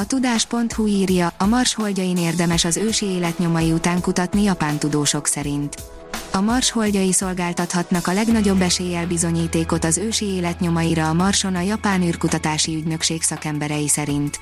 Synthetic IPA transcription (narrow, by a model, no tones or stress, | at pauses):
ɒt̪ud̪aːʃpo̞nt̪huiːrjɒːmɒrʃho̞lɟɒjineːrd̪ɛmɛʃɒzøːʃieːlɛt̪ɲo̞mɒjiut̪aːŋkut̪ɒt̪nijɒpaːnt̪ud̪oːʃo̞ksɛɾint̪ | ɒmɒrʃho̞lɟɒjiso̞lɡaːlt̪ɒt̪hɒt̪nɒkɒlɛɡnɒɟo̞bːɛʃeːjɛlbizo̞ɲiːt̪eːko̞t̪ɒzøːʃieːlɛt̪ɲo̞mɒjiɾɒːmɒrʃo̞nɒjɒpaːnyːrkut̪ɒt̪aːʃiyɟnø̞kʃeːksɒkɛmbɛɾɛjisɛɾint̪